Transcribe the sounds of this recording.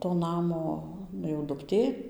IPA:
toː ˈnɑːmoː ˈnʊ jɛʊ dʊkˈtʲeː

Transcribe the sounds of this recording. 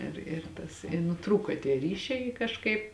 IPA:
ɪr ɪr ˈtɐs ɪ nʊˈtruːkoː tʲiɛ ˈrʲiːʃʲɛɪ ɪ kɐʃˈkɐɪp

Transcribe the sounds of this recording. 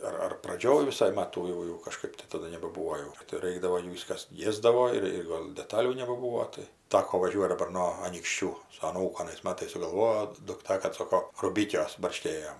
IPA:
ˈɐr ɐr prɐˈd͡ʒʲoːj ʋʲɪˈsɐɪ ˈmɑːtuː jɛʊ jɛʊ kɐˈʃkɜp tɐɪ tɐˈdʊ nʲɛbɐˈbʊʋoː jɛʊ tɐɪ ˈrɐɪɡdɐʋoː ˈjuː ˈʋʲɪs kɐs ˈiɛzdɐʋoː ɪr ˈɡoːlʲ dʲɛˈtɑːlʲuː nʲɛbɐˈbuːʋoː tɐɪ ˈtɑːkoː ʋɐˈʒʲuɔtʲ dɐˈbɐr noː ɐnʲiːkʃʲˈt͡ʃʲuː sʊ ɐˈnuːkʊ ɐnɐɪs ˈmɑːtɐɪs sʊɡɐlˠˈʋoːjoː dʊkˈtɐ kɐt ˈsoːkoː rʊˈbʲɪkʲuɔs bɐrʲˈʃʲkʲeːjoːm

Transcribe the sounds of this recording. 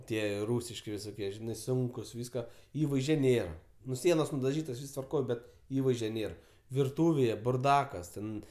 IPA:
ˈtʲiɛ ˈruːsʲɪʃʲkʲɪ ʋʲɪsoːˈkʲiɛ ʒʲɪˈnɐɪ ˈsʊŋkʊs ˈʋʲiːskɐ ˈiːʋɐɪzʲd͡ʒʲɛ ˈnʲeːrɐ ˈnʊ ˈsʲiɛnoːs nʊdɐˈʒʲiːtoːs ˈʋʲiːs tʋɐrˈkoːj ˈbʲɛt ˈiːʋɐɪzʲd͡ʒʲoː ˈnʲeːr ʋʲɪrˈtuːʋʲeːjɛ bʊrˈdɑːkɐs ˈtʲɛn

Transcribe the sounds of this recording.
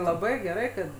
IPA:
lˠɐˈbɐɪ ɡʲɛˈrɐɪ kɐt

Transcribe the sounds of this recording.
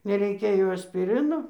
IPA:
nʲɛrʲɛɪˈkʲɛ jɛʊ ɐsʲpʲɪˈrʲɪnoː

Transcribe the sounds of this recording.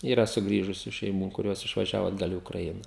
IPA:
iːˈrɐ sʊˈɡrʲiːʒʊsʲʊ ʃʲɛɪˈmuː kʊˈrʲoːs ɪʃʋɐˈʒʲæːʋoː ɐdˈɡɐlˠ iː ʊkrɐˈɪnɑː

